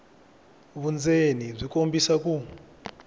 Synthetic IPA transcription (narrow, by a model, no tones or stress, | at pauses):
βund͡zenib͡ʐikombisaku